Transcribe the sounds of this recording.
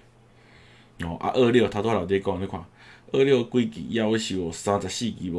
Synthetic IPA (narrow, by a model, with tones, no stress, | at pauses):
ɔ˨ʔa̰˧ʔə˥˧˨ɾjo˥˨t̪ʰa˧t̪wa˦˧la˨d̪e˧˦˧kɔ˧˨˧e˧˦kʰwã̰˨ | ə˥˧ɾjo˥˨˧kwi˦kḭ˨ja˥˧wo˧˦ɕi˨wɔ˨˩sã˧t͡sa˨˩ɕi˥˧˨ki˨˦bɔ˨